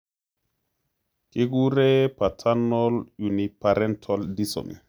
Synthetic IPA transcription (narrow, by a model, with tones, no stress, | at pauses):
ki˦ɡu˦ɾɛ˦pa˨tʰa˦nːɔlju˨ni˨pa˨ɾɛ˦ntʰɔldi˦so̰˨mḭ˨